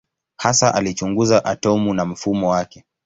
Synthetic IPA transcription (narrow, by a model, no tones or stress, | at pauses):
hasaʔalit͡ʃuŋɡuzaʔatɔmunam̩fumɔwakɛ